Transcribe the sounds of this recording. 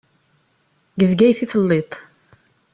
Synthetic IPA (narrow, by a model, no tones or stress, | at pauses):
ɡəvɡæjθiθlːet̪ˤ